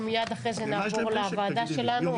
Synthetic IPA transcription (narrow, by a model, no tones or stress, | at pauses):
mijad̪aχʁezenaːvoʁleavaːd̪aʃe̞lanu